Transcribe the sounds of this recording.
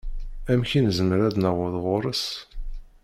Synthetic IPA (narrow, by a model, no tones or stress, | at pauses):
æmçinzəməɾæðnəʁəðʁʊɾˤəs